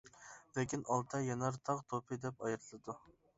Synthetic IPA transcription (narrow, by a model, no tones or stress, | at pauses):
lɪkʲinɑlˠt̪ʰɑjɑnɑɾt̪ʰɑqt̪ʰopʰɨd̪ɛpɑjɑɾt̪ʰlˠɨd̪u